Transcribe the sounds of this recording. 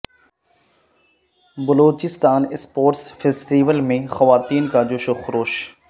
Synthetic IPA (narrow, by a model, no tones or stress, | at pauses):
bəloːt͡ʃɪst̪aːnɪspoːɾʈsfʰeːsʈiːʋəlmẽxɐʋaːt̪iːnkad͡ʒoʃoxʊɾoːʃ